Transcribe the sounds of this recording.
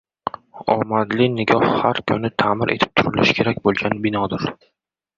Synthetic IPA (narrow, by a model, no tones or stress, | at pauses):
ɒ̰mad̪lɪnɪɡʲɒhhaɾkʰʊnɪt̪ʰaːmɪɾʔet̪ʰɪ̥p̚t̪ʰʊɾɪlɪ̰ʃkʰʲe̞ɾakʲbolˠɡʲanbɪnɒd̪ɪɾ